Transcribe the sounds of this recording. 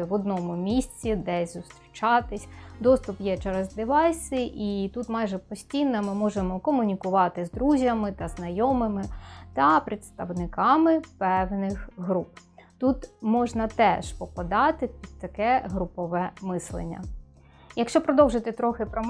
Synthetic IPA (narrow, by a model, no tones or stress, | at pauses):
ʋɔd̪nɔmʊmʲisʲt͡sʲid̪ɛsʲzʊst̪ɾʲit͡ʃɑt̪ɪsʲd̪ɔst̪ʊpjɛt͡ʃɛɾɛzd̪ɪʋɑjsʲɪʔit̪ut̪mɑjʒɛpɔsʲtʲijnɐmɪmɔʒemɔkɔmʊnʲikʊʋɑt̪ɪzd̪ɾuzʲjɐmɪt̪ɐznɐjɔmɪmɪt̪ɐpɾʲɪt̪st̪ɐwnɪkɑmɪpɛwnɪxɦɾup̚ | t̪ut̪mɔʒnɐt̪ɛʃpɔpɐd̪ɑt̪ɪpʲid̪̚t̪ɐkɛɦɾʊpɔʋɛmɪslˠḛnʲːɐ̰ | jɐkʃt͡ʃɔpɾɔd̪ɔwʒɪt̪ɪt̪ɾɔxɪpɾɔ